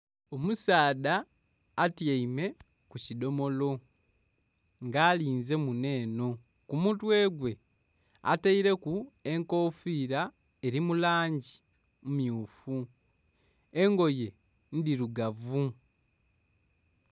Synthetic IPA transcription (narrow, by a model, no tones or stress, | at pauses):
o̞musaːdaː | tjaime̞ | kucido̞mo̞lo̞ | ŋɡaːliːnze̞mune̞ːno̞ | kumutwe̞ːɡwe̞ | a̰taiɾe̞kue̞ŋko̞ːfiːɾa | e̞ɾimulaːɲɟi | mumjuːfu | e̞ŋɡo̞je̞ | ndiɾuɡavu